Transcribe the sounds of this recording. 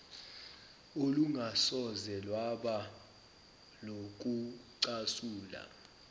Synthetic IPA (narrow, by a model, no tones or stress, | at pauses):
oluŋʱasɔzɛlwaɓa | lok̬uǀasuːla̰